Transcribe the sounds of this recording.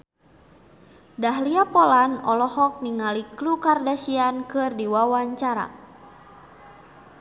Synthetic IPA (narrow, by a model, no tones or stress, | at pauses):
daɦliapɔlanɔlɔhɔk̚niŋaliklukardasiankɨrdiwawaɲt͡ʃaɾa̰